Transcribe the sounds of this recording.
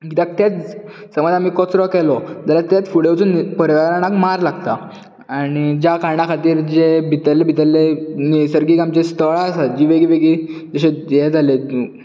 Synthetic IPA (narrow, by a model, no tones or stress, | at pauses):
ɡit̪ak̚t̪at͡ssəməd͡zamiːkɔt͡sɾɔkɛlɔd͡zalat̪at͡s̪fuɽewt͡sunipəɾʋaɾanakmaɾlaɡt̪a | aɽ̃id͡ʑjakaɾɳakʰat̪iːɾd͡ʑebʱit̪əlːebʱit̪əlːenisəɾɡiːkamt͡ɕest̪əɭasad͡ʑiːʋeɡiʋeɡid͡zəɕejɛd͡zʱale